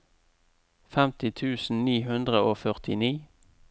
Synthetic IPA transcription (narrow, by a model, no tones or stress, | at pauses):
fɛmt̪ɪt̪ʰʉːsn̩niːhʉnd̪ʁəoːfœʁt̪ɪniː